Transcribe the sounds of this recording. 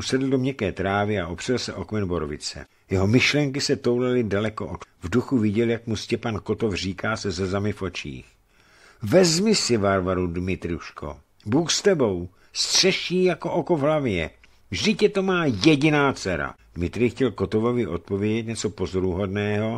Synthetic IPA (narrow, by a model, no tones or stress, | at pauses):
sɛdl̩domɲɛkɛːt̪ɾaːvɪaʔopr̥ɛlsɛʔo̞kmɛnbo̞ɾovɪ̰t͡sɛ̰ | jɛɦo̞mɪʃlɛŋkɪsɛt̪o̞wlalɪdalɛkoʔot̪vduxuvɪɟɛljakmuscɛpanko̞t̪o̞fr̝iːkaːsɛzɛzamɪfʔo̞t͡ʃḭːx | vɛzmɪsɪvaɾvaɾudmɪt̪ɾuʃko̞̰ | buːxst̪ɛbo̞w | st̪r̝̥ɛʃiːjako̞ʔoko̞vɦlavjɛ̰ | vʒdɪcɛt̪o̞maːjɛɟɪnaːt͡sɛɾa̰ | d̥mɪt̪ɾɪxcɛlko̞t̪o̞vo̞vɪʔo̞t̪̚povjɛɟɛt̪ɲɛt͡so̞po̞zo̞ɾuɦo̞dnɛːɦo̞